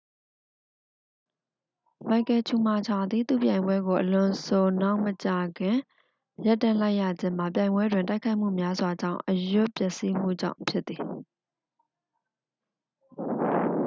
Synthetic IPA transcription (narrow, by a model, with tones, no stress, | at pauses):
ma˨kɛ˨t͡ɕʰu˨ma˨t͡ɕʰa˨d̪ði˨t̪ṵ˦˨pjã˨ɪ̃mbwɛ˦ɡo˨ʔəlʊ̃˨sʰo˨na˦ʊʔmət͡ɕa˨ɡɪ̃˨ | ja˦tːã˨la˦ɪʔja˨d͡ʑɪ̃˦˨m̥a˨pjã˨ɪ̃mbwɛ˦dwɪ̃˨ta˦ɪkʰa˦ɪʔm̥ṵ˦˨mja˦zwa˨d͡ʑã̰˦˨ʊ̃ʔəjʊ˦pjɛ˦˨ʔsi˦m̥ṵ˦˨d͡ʑã̰˦˨ʊ̃pʰjɪ˦t̪θi˨